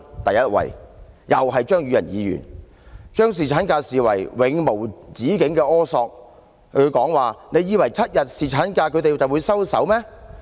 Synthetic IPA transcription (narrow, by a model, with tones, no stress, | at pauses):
t̪ɐ˨jɐ˥t̚wɐ̰˨˩jjɐ˨wɦɐ˨jt͡ʃœː˥ŋjyː˨˧jɐ̰˨˩njiː˨˧jy̰ː˨˩n | t͡ʃœː˥ŋs̬iː˨˩t͡ʃʰaː˨˥nkaː˧siː˨wɐ̰˨˩jwɪ˨˥ŋmo˨˩wt͡siː˨˥kɪ˨˥ŋkɛː˧ʔɔː˥sɔː˧k̚ | ɵ˨˧kɔː˨˥ŋwaː˨ne˨˧jiː˨˧wɐ˨˩jt͡sʰɐ˥t̚jɐ˨t̚siː˨t͡ʃʰaː˨˥nkaː˧kʰɵ˨˧ɥt̪e˨jt͡sɐ˨wuː˨˧jsɐ˥wsɐ̰˨˥wmɛː˥